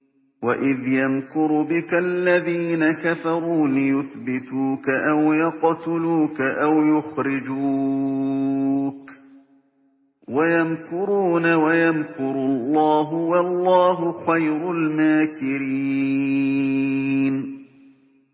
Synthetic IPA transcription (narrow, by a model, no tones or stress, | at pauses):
waʔɪðjamkʊɾbɪkalːaðiːnakafɑɾˤuːlɪjʊθbɪt̪uːkaʔawjɑqt̪ʊluːkaʔawjʊxɾɪd͡ʒuː | k | wajamkʊɾuːnawajamkʊɾʊlˤːɑːɦʊwɑlˤːɑːɦʊxajɾʊlmaːkɪɾiː | n